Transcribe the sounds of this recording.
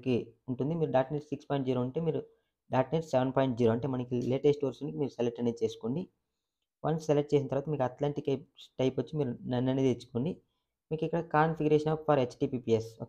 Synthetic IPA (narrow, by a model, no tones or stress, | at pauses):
kiuɳʈund̪imiːɾuɖaːɾʈniɾssikspoːjɳʈ̚d͡ʒiːɾoɐɳʈe̞ːmiːɾu | ɖaːʈniːɾsseʋenpɔːjɳʈd͡ʒiːɾoːɐɳʈe̞ːmɐnɐkileːʈesʈɐɾsunikimiːɾuseleʈːɐnet͡ʃe̞ːsu̥koɳɖi | ʋɐ̰nsseleʈ̚t͡ʃe̞ːsinɐt̪ɐɾʋaːt̪ɐmiːkuɐt̪laːɳʈikɐʈɐjpʋɐt͡ʃːimiːɾunɐnːɐnid̪et͡ʃːu̥koɳɖi | miːkikːɐɽɐkaːnpʰiɡuɾeʃɐnaːpfaɾet͡ʃʈiːpiːpieso